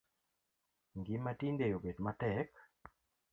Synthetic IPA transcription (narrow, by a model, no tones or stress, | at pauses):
ŋɡimatindejobedmatɛk